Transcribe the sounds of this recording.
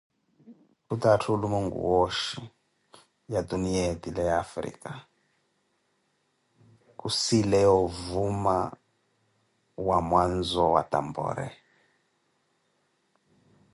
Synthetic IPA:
kutatʰulumuŋɡṵwoʃi | jad̪unied̪ilɛafɾḭːka | kusilɛɔvuma̰ | wamwanzɔwa̰t̪a̰mbɔ̰ːɾɛ̰

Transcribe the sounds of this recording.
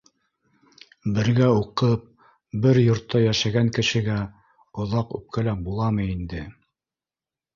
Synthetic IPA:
bɘ̆ɾɡæuqɤp̚ | bɘɾjŏɾt̪ʰːɑjæʃæɡæŋkɘ̆ʃɘ̆ɡæ | ŏðɑqʉ̰p̚kʰælæbulˠɑmɤind̪ɘ

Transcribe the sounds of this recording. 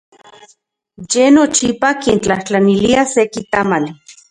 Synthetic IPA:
jenot͡ʃipakent͡ɬaht͡ɬaniliasekit̪aman

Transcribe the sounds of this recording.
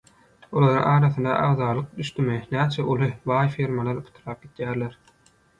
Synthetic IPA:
olˠɑɾṵŋʔɑːɾɑθɯnd̪ɑ̰ʔɑʁðɑːlˠɯq̚d̪yʃt̪ymenæːt͡ʃʰæʔulˠibɑːjfiːɾmɑlˠɑɾpʰɯ̥t̪ʰɯɾɑːp̚ɡit̪jæːɾleɾ

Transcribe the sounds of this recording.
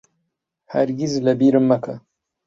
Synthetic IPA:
haɾɡʲizlɐbiɾɨmːɐkʰɐ

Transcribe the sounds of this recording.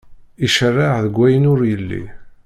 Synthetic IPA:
iʃərːaʕðəɡʷːæjənʊɾjəlːḭ

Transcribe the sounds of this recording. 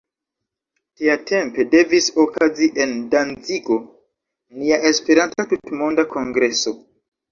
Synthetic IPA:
tiatʰe̞mpe̞de̞viso̞kaziʔe̞ndanziɡo̞ | niaʔe̞spe̞ɾantatutmo̞ndakʰo̞ŋɡɾe̞so̞

